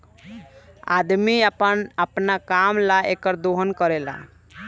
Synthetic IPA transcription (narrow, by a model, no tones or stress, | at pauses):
a̰d̪miəpənəpnakamlaʔekəɾd̪oɦənkəɾela̰